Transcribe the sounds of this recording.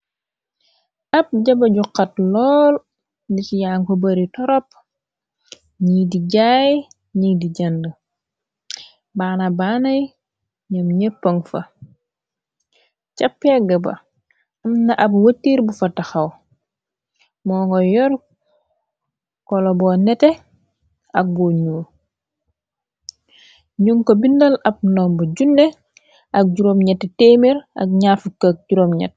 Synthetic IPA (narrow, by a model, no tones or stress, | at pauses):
ʔɐp̚ɟɐbɐɟuqːɐt̚lɔːl | dicijaːŋkɔbɐɾitɔɾɔp̚ | ɲiːdiɟaːj | ɲiːdiɟɐndə | baːnɐbaːnɐj | ɲɐmɲəpːəŋfɐ | cɐpːɛɡɐbɐ̰ | ɐmnɐʔɐbwɐtːiːɾbufɐtɐxɐw | mɔːŋɡɔjɔɾ | kɔlɔbɔːnɛtɛ | ɐk̚buɲuː | ɲuŋkobindɐlɐp̚nɔːmbɐɟundɛ | ʔɐk̚ɟuɾomɲɛtːteːmiɾɐ̰kɲafukːak̚ɟuɾomɲɛ̰t̚